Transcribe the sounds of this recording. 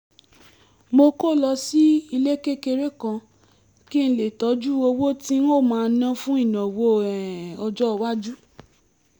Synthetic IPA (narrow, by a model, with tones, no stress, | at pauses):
mo˧ko˦˨lɔ˧si˦i˧le˦ke˦ke˧ɾe˦kã˧ | ki˦ñ̩˧le˨tɔ˨˦d͡ʒu˦o˧wo˦ti˦n˦o˦˨mãː˦˧n̩˦nã˦fũ˦i˦˨nã˨wo˧˦ɛ˨ɔ˧d͡ʒɔ˦ɔ˧wa˦d͡ʒu˦